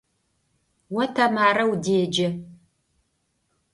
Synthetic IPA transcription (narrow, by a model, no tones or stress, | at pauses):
wɐtʰɐmaːɾɐwdeːd͡ʒɐ